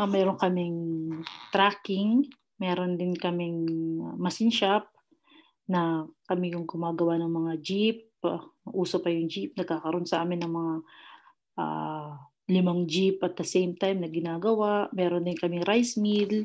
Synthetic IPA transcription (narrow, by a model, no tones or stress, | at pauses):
ɐmɛːɾo̞ŋkɐmɪŋt̪ɾaːkɪŋ | mɛːɾond̪ɪnkɐmɪŋmɐsɪnʃap̚ | nɐkɐmɪkʊŋɡʊmaːɡɐwanɐŋmɐŋad͡ʒip̚ɐʔuːsopɐjʊŋd͡ʒip̚nɐɡ̚kːaːkɐɾʔo̞nsɐʔaːmɪnɐŋmɐŋa | ʔa̰ | lɪmaŋd͡ʒipʔɐt̪̚d̪ɐsɛjmt̪ajmnɐɡɪnaːɡɐwaʔmɛːɾond̪ɪnkɐmɪŋɾajsmid̪l